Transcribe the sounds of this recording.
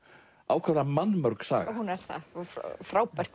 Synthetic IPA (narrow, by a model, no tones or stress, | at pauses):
aːwkʰvɛɾamanːmœɾksa̰ːɣhunɛɾ̥θa̰fɾaːwpɛr̥t̪